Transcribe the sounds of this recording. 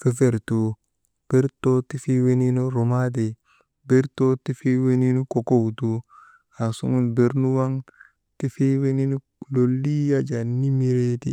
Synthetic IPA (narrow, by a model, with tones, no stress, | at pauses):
fe˦fe˨ɾtu˨ | b̥e˦ɾto˦ti˦fi˦we˦ni˦nu˦ɾo˨ma˦d̬e˨ | be˦ɾto˦ti˦fi˦we˦ni˦nu˦ko˨ko˦wtu˦ | a˨sṵ˦ŋu˦nbe˦ɾnu˦wa˦ŋ | ti˦fi˦we˦ni˦nu˦ | lo˨lːi˦ja˦d͡ʒa˨ni˦mi˦ɾe˦tḭ˦